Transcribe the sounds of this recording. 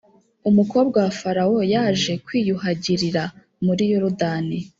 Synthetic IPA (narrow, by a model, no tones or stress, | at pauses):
umuko̞bɡafaɾawo̞jaːʒe̞kwiːjuɦaɟiɾiɾa | muɾijoɾudaːni